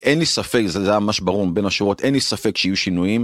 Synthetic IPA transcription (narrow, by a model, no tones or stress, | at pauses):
ʔenlisafekzeeajamamaʃbaʁuʁbenaʃuʁo̞tʔenlisafekʃeijuʃinujim